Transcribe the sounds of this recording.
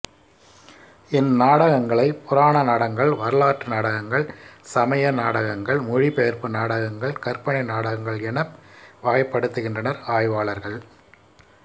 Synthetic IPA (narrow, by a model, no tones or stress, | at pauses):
ɪnnaːɽɐɣɐŋɡɐɭɐɪpʊɾaːnɐnaːɽɐŋɡɐɭʋɐɾɯlaːʈːɯnaːɽɐɣɐŋɡɐɭsɐmɐjɐnaːɽɐɣɐŋɡɐɭmʊɻipɛjɐɾpɯnaːɽɐɣɐŋɡɐɭkɐɾpɐɳɐɪnaːɽɐɣɐŋɡɐɭɛnɐpʋaːjpːɐɽɯt̪ːɯɣɪndrɐnɐɾaːjʋaːɭɐɾɣɐɭ